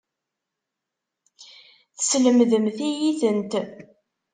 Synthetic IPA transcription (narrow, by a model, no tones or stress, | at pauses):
θə̥sləmðəmθijiθənt̪